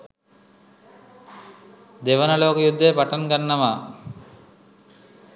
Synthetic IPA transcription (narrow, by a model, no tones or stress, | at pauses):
d̪eʋɐnaloːkjud̪ʱːepaʈankanːama